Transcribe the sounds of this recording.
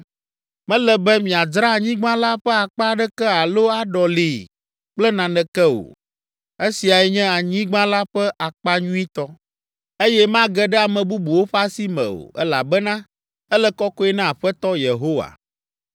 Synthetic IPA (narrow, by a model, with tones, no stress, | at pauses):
mɛ̃˦lɛ˨bɛ˦mĩ˨a˨d͡ʒɾa˦˨ɲĩ˦ɡ͡bã˦la˦ɸɛ˦a˨k͡pa˦ɖɛ˦kɛ˦a˨lo˦a˨ɖɔ˨li˨ | k͡plɛ˦nã˨nɛ̃˨kɛ˦o̰˨ | e˦si˨a˨ɛ˨ɲɛ̃˦a˨ɲĩ˦ɡ͡bã˦la˦ɸɛ˦ʔa˨k͡pa˦ɲũ˦i˦t̪ɔ˦ | e˦jɛ˦mã˦ɡɛ˦ɖɛ˦a˨mɛ̃˨bu˦bu˨wo˦ɸa˦si˦mɛ̰̃˨o̰˨ɛ˦la̰˨bɛ˦nã˦ | ɛ˦lɛ˦kɔ˦kɔ˦ɛ˦nã˦a˨ɸɛ˦t̪ɔ˦je˨ɦo˦wa̰˨